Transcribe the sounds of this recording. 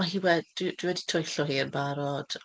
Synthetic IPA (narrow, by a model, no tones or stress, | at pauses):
maɦiːwɛdd̥wɪd̥wɪwɛditʰɔjɬɔɦiːənbaɾɔd̥